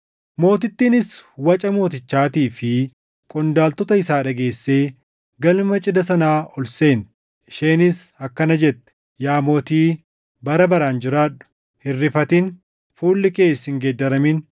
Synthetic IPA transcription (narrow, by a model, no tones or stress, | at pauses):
mo̞ːt̪ɪt̪ːiːnɪswɐt͡ʃʼɐmo̞ːt̪ɪt͡ʃːaːt̪iːfɪ | kʼɔnd̪aːlt̪ɔt̪ɐɪsaːᶑɐɡe̞ːsːe̞ː | ɡɐlmɐt͡ʃʼɪd̪ɐsɐnaːʔɔlse̞ːn | ɪʃeːnɪsɐkːɐnɐd͡ʒɛt̪ːɛ̥ | jaːmoːt̪iː | bɐɾɐbɐɾaːnd͡ʒɪɾaːᶑʊ̥ | hɪrːɪfɐt̪in | fuːlːɪkʼe̞ːsɪŋɡeːd̪ːɐɾɐmɪn